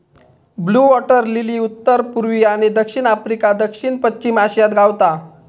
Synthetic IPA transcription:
bluːʋɔʈəɾliliːut̪ːəɾpuɾʋiːaɽ̃id̪əkʂiɳafɾikad̪əkɕiɳpət͡ɕimaɕijat̪ɡʱawt̪a

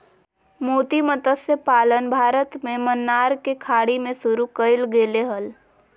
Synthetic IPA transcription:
moːt̪imət̪əsepaːlənbʱaːɾət̪mẽmənːaɾkekʰaɽimẽsuɾukəɪlɡeːleɦəl

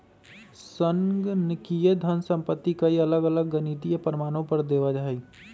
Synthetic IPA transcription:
sə̃ŋɡnɪkijed̪ʱɐnsə̃mpət̪ːikaiɐləɡɐləɡːənit̪ijepɾɪmaːñõpɐɾd̪eːʋad͡ʒaɦi

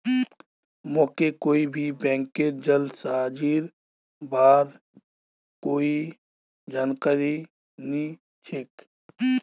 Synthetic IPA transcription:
mɔːkekoːibʱibɛ̃ːŋkːeɾd͡ʒəlsad͡ʒiːɾ | baːɾ | koːi | d͡ʒaːnkəɾi | ni | t͡ʃʰek

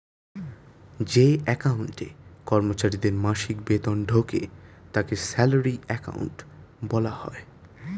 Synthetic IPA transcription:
d͡ʑeɛkauɳʈḛkɔɾmot͡ɕaɾid̪eɾmaʃikbet̪onɖʱokḛt̪akesɛloɾiɛka̰ṵɳʈbɔlahɔ̰e

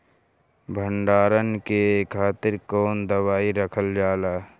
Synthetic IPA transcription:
bʱəɳɖaːɾənkekʰaːt̪ɪɾkoːnd̪əwaːiɾəkʰəld͡ʒaːlaː

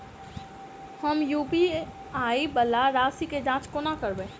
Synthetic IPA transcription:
həmjuːpi | aːibəlaɾaːsiked͡ʒãːt͡ʃkonakəɾbẽː

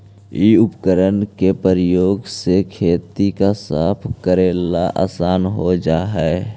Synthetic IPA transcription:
iːʊpkəɾənkepəɾəjoːɡsekʰeːt̪ikasaːpʰkəɾeːlaʔa̰ːsaːnɦod͡ʒaːɦɛ

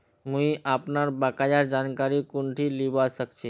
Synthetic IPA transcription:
mũĩʔaːpnaɾbakajaɾd͡ʒaːnkaɾikʊɳʈʰilibasəkt͡ʃʰe

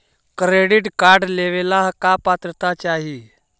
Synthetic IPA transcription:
kɾeɽiʈkaɾɖleʋelaɦkapat̪ɾət̪at͡ɕaɦi

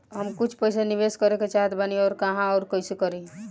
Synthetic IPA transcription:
ɦəmkut͡ʃʰpəjsenibeskəɾeket͡ʃaɦet̪baniɔːɾkaɦãɔːɾkəjsekəɾĩ

